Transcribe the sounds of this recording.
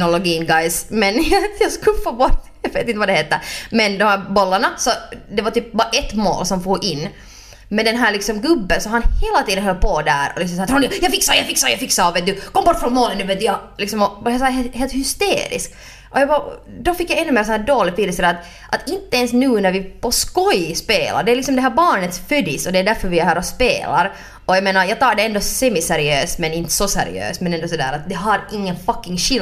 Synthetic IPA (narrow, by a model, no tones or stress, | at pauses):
nɔlɔɡiːnɡajsmɛnjɑskʉlfoːbɔt̪jɑveːt̪ɪnt̪əʋɑd̪ɛheːt̪ːəmɛnd̪ɔmhæːɾbɔlːaɳasɔd̪ɛʋɑɾt̪yːp̚bɑːɾaʔɛt̪ːmo̰ːlsɔmfuːɡʔɪnː | mɛd̪ɛnɦæːɾlɪksɔmɡɵbːənsɔɦɑnheːlat̪iːd̪ənɦœlpʰɔd̪æ̰ːɾɔ̰lɪksɔmsɑːt̪ɾuːnjjɑfɪksajɑfɪksajɑfɪksaɑʋet̪d̪ʉkʰɔmbɔʈːfɾɔnmoːlənnʉːvʋet̪jɑlɪksɔmɔjɑsɦeheːlt̪hʏst̪ḛːɾɪ̰sk | ʔɔjɑbɑ | d̪ɔfɪkːjɑɛnːʉmeːɾsɔnæːɖoːlɪɡ̪ʋiːəsɔd̪æːɾat̪ | ʔat̪ɪnt̪əɛnsnʉ̟ːnæɾvɪpʰɔskɔjspeːlʔa̰ɖɛːlɪksɔmd̪ɛɦæːɾbɑːɳət̪sfœd̪ɪsɔd̪ɛːɖ̪æɾfœɾvɪæɾhæːɾɔspḛːla̰ɾ | ɔjɑmeːnaɾjɑːɡ̚t̪ʰɑːɖɛɛnd̪ɔsɛmɪsæɾɪøːst̪mɛnɪnt̪ːə̥sɔsæ̰ɾɪ̰ø̰ːst̪mɛnɛnd̪ɔs̬ɔd̪æ̰ːɾat̪̚d̪ɛɦɑɾɪŋːənfakːɪŋɕɪl